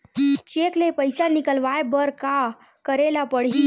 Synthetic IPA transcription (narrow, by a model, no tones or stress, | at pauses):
t͡ʃeːklepəjsanɪkəlʋaebəɾka | kəɾelapəɽɦi